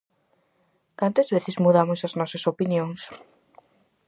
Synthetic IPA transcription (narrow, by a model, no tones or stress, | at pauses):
kant̪ɐzβeθɪzmuðamosɐznɔsɐsopinjõŋs